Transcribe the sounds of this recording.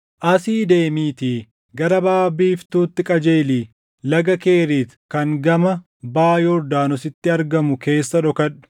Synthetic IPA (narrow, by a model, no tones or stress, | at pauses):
ʔɐsiːd̪e̞ːmiːt̪iː | ɡɐɾɐbaːbiːft̪uːt̪ːɪkʼɐd͡ʒe̞ːliː | lɐɡɐke̞ːɾiːt̪kɐŋɡɐmɐ | baːjɔɾd̪aːnɔsɪt̪ːɪɐɾɡɐmʊke̞ːsːɐᶑɔkɐᶑʊ̥